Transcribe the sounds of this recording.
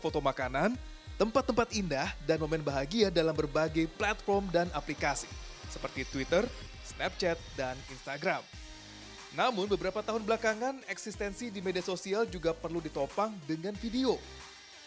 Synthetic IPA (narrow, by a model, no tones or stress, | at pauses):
fot̪omakanan | t̪əmpat̪ːəmpat̪indahdanmomɛnbaɦaɡiadalambərbaɡajplat̪̚fɔrmdanaplikasi̥sə̥pərt̪it̪wit̪ər | snɛp̚t͡ʃɛt̪̚daninst̪aɡɾam | namʊnbəbəɾapat̪aɦʊnbəlakaŋanɛksist̪ɛnsidimediasosiald͡ʒuɡapərludit̪opaŋdəŋanfideo